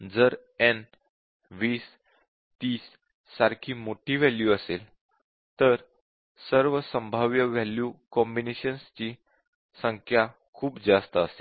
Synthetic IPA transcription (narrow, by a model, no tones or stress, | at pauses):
d͡zəɾ | ɛn | ʋiːs | t̪iːsː | aɾkʰiːmoʈʰiːʋɛljuəsel | t̪əɾ | səɾʋəsə̃mbʱaʋjəʋɛljukɔ̃mbineɕənst͡ɕiː | səŋkʰja | kʰuːpd͡zast̪əəse